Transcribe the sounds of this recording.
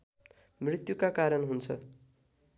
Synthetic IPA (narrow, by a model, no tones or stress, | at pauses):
mrit̪jukakaɾʌnɦunt͡sʰʌ